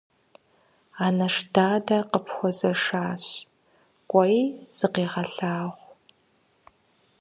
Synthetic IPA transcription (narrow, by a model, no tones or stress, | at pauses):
aːnɐʂdaːdɐqəpʰxʷɔzɐʂaːɕ | kʷʼɔjz̥ɨqeːʁɐɬaːʁʷ